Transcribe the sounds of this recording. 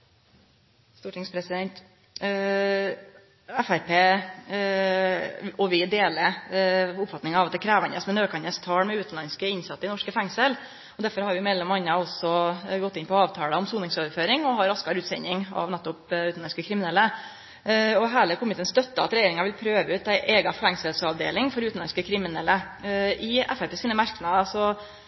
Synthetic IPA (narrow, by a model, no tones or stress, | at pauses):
st̪uːʈɪŋspʰɾɛsɪd̪ɛnt̪ | æfæɾpeː | ɔʋɪd̪eːlə | ʊpfɑt̪nɪŋɑɑʋɑt̪ɛkʰɾæːʋɑnəsɔmɛnøːkʰɑnəst̪ʰɑːɽmɛʉːt̪n̩lɑnskəɪnsɑt̪ːəɪnɔʂkəfɛŋsəl | ɔd̪æɾfɔɾhɑɾjʋɪmɛlːɛmɑnːəɔsɔɡɔt̪ːɪnpɔɑːʋt̪ʰɑːləɔmsuːnɪŋsoːʋəɾføːɾɪŋɔɦɑɾːɑskɑɾʉːt̪sɛɲɪŋɑ̰ʋnɛt̪ːʊpʉːt̪n̩lɑnskəkʰɾɪmɪnɛlːə | ɔɦæːləkʰʊmɪt̪ʰeːnst̪œt̪ːəɑt̪ɾɛjeːɾɪŋɑʋɪlpʰɾøːʋəʉːt̪æɪʔeːɡɑfɛŋsəlsɑʋd̪ḛːlɪŋfɔɾʉt̪n̩lɑnskəkʰɾɪmɪnɛlːə | ɪɛ̰fæpeːsiːnəmæɾknɑd̪ɑsɔ